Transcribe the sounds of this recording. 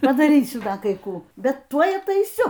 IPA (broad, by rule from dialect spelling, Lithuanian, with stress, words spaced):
pɐdɐˈrʲiːsʲʊ ˈdɐ kɐɪ ˈkuː bʲɛt ˈtuɔj ɐtɐɪˈsʲʊ